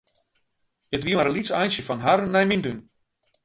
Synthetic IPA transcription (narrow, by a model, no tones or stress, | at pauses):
ətʋiəmaɾəlisɛjnsjəfɔnɦarnɛjmindun